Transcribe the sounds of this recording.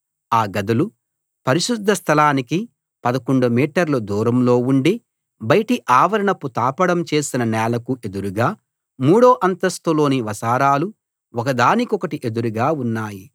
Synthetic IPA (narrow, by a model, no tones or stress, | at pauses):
aːɡɐd̪ulu | pɐɾiʃud̪ʱːɐst̪ʰɐlaːniki | pɐd̪ɐkoɳɖumiːʈɐɾlɐd̪uːɾɐmlo̞ːuɳɖi | bɐjɐʈiʔaːʋɐɾɐɳɐpːut̪aːpɐɽɐmt͡ʃe̞ːsinɐnɛːlɐkuʔe̞d̪uɾuɡaː | muːɽo̞ːʔɐnt̪ɐst̪ulo̞ːniʋɐsaːɾaːlu | ɔkɐd̪aːnikiɔkɐʈiʔe̞d̪uɾuɡaːunːaːji